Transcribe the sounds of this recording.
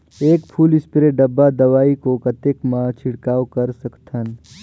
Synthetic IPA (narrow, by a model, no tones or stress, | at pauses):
eːkpʰuːlɪspɾeɖəbːad̪ɐʋaːikokət̪ekmãt͡ʃʰɪɽkaːwkəɾsəkt̪ʰən